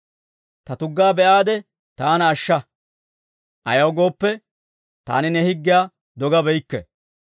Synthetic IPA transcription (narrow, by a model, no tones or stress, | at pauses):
t̪ɐt̪ʊɡːaːbɛʔaːd̪ɛ | t̪aːnɐːʃːɐ | ʔɐjɐwɡo̞ːpːɛ | t̪a̰ːnɪnɛhɪɡːɪjaː | d̪ɔɡɐbɛjkːɛ̰